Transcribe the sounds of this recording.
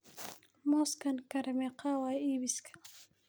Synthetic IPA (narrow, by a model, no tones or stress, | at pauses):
moskankaɾameqawajibiskʰḁ